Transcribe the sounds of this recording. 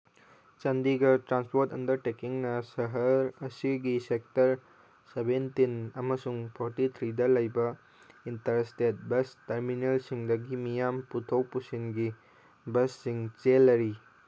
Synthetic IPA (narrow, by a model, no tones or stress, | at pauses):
t͡ʃɐndiɡɐtɾanspoɾtɐndɐɾtekiŋnɐsɐɦɐɾɐsiɡisek̚tɐɾ | sebentinɐmɐsuŋpʰoɾtit̪ʰɾidɐlɐjbɐ | intɐɾstet̚bɐstɐɾminelsiŋdɐɡimijamputʰowpusinɡi | bɐsːiŋt͡ʃelːɐɾi